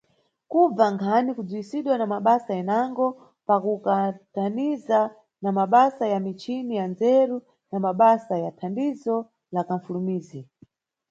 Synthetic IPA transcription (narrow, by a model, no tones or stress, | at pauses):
kub͡vaŋkʰanikud͡zuisiɗwanamaɓasajɛnaŋɡɔ | pakukataniza | namaɓasajamit͡ʃinijand͡zɛɾu | namaɓasajatʰandizɔ | lakaɱfulumiːzi